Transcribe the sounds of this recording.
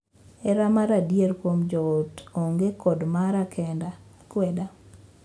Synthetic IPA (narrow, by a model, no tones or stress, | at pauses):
ɛɾamaɾadjeɾkwomd͡ʒɔotoŋɡekɔdmaɾakʰɛnda | kweda